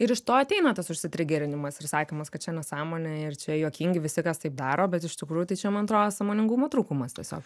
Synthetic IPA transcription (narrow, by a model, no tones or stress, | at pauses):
ɪɾɪʃt̪oːɐt̪ʲɛɪnɐt̪ɐsʊʃʲsʲɪt̪ʲɾʲɪɡʲeɾʲɪnʲɪmɐsɪɾsɑːkʲemɐskɐt̪t͡ʃʲɛnʲɛsɑːmoːnʲɛɪrt͡ʃʲɛjoːkʲiŋʲɡʲɪʋʲɪsʲɪkɐst̪ɐɪp̚d̪ɑːɾoːbʲɛt̪ɪʃt̪ʲɪkɾuːjʊt̪ɐɪt͡ʃʲɛmɐnɐt̪ɾoːd̪ɐsɑmoːnʲɪŋɡuːmɐt̪ɾuːkumɐst̪ʲiɛsʲo̰ːk